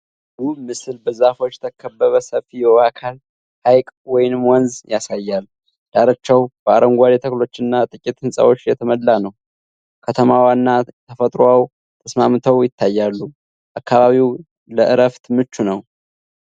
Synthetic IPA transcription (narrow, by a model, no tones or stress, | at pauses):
ɡuβmɨsɨlbəzafo̞t͡ʃːt̪ʰəkʰːəbːəβəsəfijɛakʰal | hajkʼwɔjnɨmwɔnzjasajːal | d̪̥aɾət͡ʃːɛwb̥əaɾəŋɡʷad̪et̪ʰəklo̞t͡ʃːɨnːat̪ʼɨkʲʼit̪hɨnsʼa̰wo̞t͡ʃːjɛt̪ʰəməlːanəw | kʰət̪ʰəmawanːat̪ʰəfət̪ʼɾaw | t̪ʰəsmamt̪ʰəwjɪt̪ʰːajːalːu | ʔakːaβaβiw | ləʔɨɾəft̪mɨt͡ʃːunəw